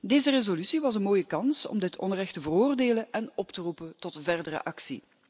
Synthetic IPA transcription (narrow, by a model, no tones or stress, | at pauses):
deːzərezolysiʋɑsənmoːjəkɑnsɔ̰mdɪtʰɔ̰nrɛxtəvəroːrdeːləʔɛnɔptərupəntɔtvɛrdəɾə̰ʔɑksḭ